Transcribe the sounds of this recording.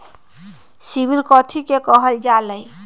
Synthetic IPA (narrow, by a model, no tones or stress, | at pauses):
sibilkɔt̪ʰikekɔɦəld͡ʒaləj